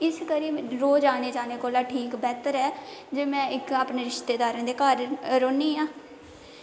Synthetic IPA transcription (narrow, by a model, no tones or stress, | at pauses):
ɪskəɾiːɾoːd͡ʒaːneːd͡ʒaːneːkoːlaːʈʰiːkbɛːt̪əɾɛːd͡ʒeːmɛ̃ːɪkaːpneːɾɪʃt̪eːd̪aːɾə̃ːd̪eːkaɾːoːniːãː